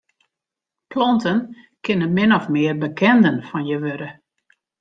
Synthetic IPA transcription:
plɔntən | kɪnənmɪnɔfmɪərbəkʰɛndənfɔnjəʋøɾə

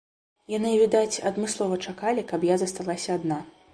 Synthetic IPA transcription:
janɨvʲid̪at͡sʲɐd̪mɨslˠɔvɐt͡ʂakalʲikapjazɐst̪alˠasʲɐːd̪na

